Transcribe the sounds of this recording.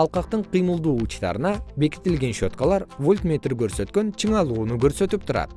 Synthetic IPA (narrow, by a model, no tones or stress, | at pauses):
ɑlˠqɑq̚t̪əɴqʰijməlˠd̪uut͡ʃt̪ɑ̰ɾənɑbe̞kʲɪ̥t̪ːɪlɡʲe̞nʃo̞t̪kɑlˠɑɾvolʲt̪mʲet̪ɾɪkʲʰɵɾset̪kʲe̞nt͡ʃʰəɴɑlˠunəkʲʰɵɾset̪ɪp̚t̪ʰʊɾɑ̰d̪̥ə